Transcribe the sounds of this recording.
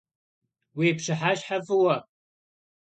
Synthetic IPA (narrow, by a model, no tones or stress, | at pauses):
weːpʂɨħaːɕħavɨwɐ